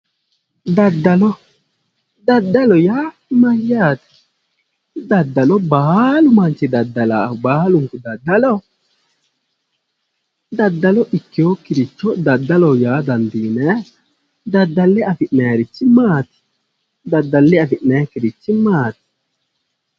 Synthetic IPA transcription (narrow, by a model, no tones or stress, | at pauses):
d̪ad̪ːalɔ | d̪ad̪ːalɔja | majːaːt̪i̥ | d̪ad̪ːalɔbaːlumant͡ʃid̪ad̪alabaːluŋkud̪ad̪ːalɔ | d̪ad̪ːalɔʔikːjokiɾit͡ʃːɔd̪ad̪ːalɔjaːd̪and̪iːnɛ | d̪ad̪ːalːɛafiʔnɛːɾit͡ʃːimaːt̪i̥ | d̪ad̪ːalːɛafiʔnɛkiɾit͡ʃːimaːt̪i̥